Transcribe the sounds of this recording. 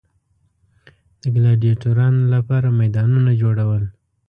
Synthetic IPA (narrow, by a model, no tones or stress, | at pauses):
d̪̥əɡlɑɖijaʈoɾɑnlapɑɾamajd̪ɑnunad͡ʒoɽawəl